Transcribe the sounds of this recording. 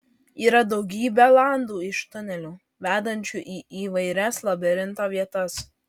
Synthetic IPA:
iːɾɐd̪ɒʊɡʲiːbʲɛlˠɑˑnd̪uːɪʃt̪ʊnʲɛlʲuː | ʋʲæːd̪ɐnʲt͡ʃʲʊʔiːʔiːʋɐɪɾʲɛslˠɐbʲɛɾʲɪnt̪oːʋʲiɛt̪ɐs

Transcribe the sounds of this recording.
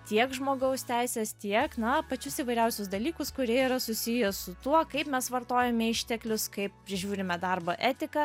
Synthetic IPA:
t̪ʲiɛkʒmoːɡɐʊst̪ʲæɪsʲɛːst̪ʲiɛknɐpɐt͡ʃʲʊsiːʋɐɪɾʲɛʊsʲʊs̬d̪ɐlʲiːkʊskʊɾʲiɛiːɾɐsʊsʲɪjɛsʊt̪uɔkɐɪpmʲɛsʋɐrt̪oːjɛmʲɛɪʃʲt̪ʲɛklʲʊskɐɪppʲɾʲɪʒʲuːɾʲɪmʲɛd̪ɐrboːʔæːt̪ʲɪkɐ

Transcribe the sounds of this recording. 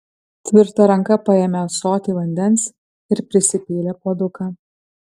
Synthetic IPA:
t̪ʲʋʲɪɾt̪ɐɾɐŋkɐpɐjɛːmʲɛsoːt̪ʲiːʋɐnʲd̪ʲɛns | ɪɾpʲɾʲɪsʲɪpʲiːlʲeːpoːd̪ʊkaː

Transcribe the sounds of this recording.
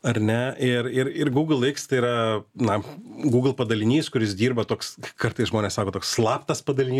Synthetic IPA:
ɐɾnʲɛɪrɪɾɪrɡuːɡlˠɪkst̪ɐɪiːɾɐnɐɡuːɡlˠpɐd̪ɐlʲɪnʲiːskʊɾʲɪsd̪ʲiːrbɐt̪oːkskɐrt̪ɐɪsʒmoːnʲeːsɑːkoːt̪oːksslˠɑːpt̪ɐspɐd̪ɐlʲɪnʲi

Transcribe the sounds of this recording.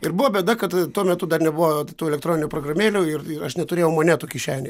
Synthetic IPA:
ɪɾbʊʋoːbʲɛd̪ɐkɐt̪t̪uɔmʲɛt̪ʊd̪ɐrnʲɛbʊʋot̪uːɛlʲɛkt̪ɾoːnʲɪnʲuːpɾoːɡrɐmʲeːlʲuːɪrɪrɐʃnʲɛt̪ʊɾʲeːjɛʊmɐnʲɛt̪oːkʲɪʃʲæːnʲe

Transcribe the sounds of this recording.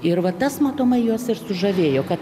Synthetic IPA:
ɪrʋɐt̪ɐsmɑːt̪oːmɐɪjuɔsɪrsʊʒɐʋʲeːjoːkɐt̪

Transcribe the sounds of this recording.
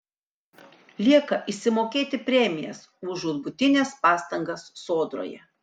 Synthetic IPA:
lʲiɛkɐʔɪʃʲsʲɪmoːkʲeːt̪ʲɪpʲɾʲɛmʲɪjɛ̰s | ʊʒuːd̪bʊt̪ʲɪnʲɛspɑːst̪ɐŋɡɐsːoːd̪ɾo̰ːjɛ̰

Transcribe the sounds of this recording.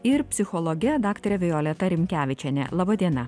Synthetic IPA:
ɪɾpʲsʲɪxɔlˠɔɡʲɛd̪ɑːkt̪oɾʲɛʋʲɪjoːlʲɛt̪ɐɾʲɪmʲkʲæːʋʲɪt͡ʃʲɛnʲɛ̰lˠɑːbɐd̪ʲiɛnɐ

